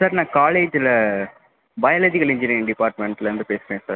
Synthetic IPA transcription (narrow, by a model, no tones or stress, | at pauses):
saːɾnãːkaːleːd͡ʒɪlɐ | bɐjɐlɐðɪɣɐɭɪɲd͡ʒɪnɪnɖɪpaːɾʈmɛɳʈlɾɯnd̪ɯpeːsɯɾẽːsa̰ːɾ